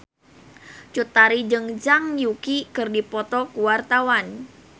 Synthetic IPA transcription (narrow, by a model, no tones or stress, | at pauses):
t͡ʃut̪aɾid͡ʒɨŋd͡ʒaŋjukikɨrdipɔt̪ɔkuwart̪awan